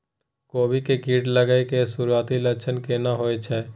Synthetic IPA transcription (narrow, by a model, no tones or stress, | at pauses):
koːbʱikekiːʈləɡəekesuɾuaːt̪ilət͡ʃʰənkenaɦoːet͡ʃʰɛː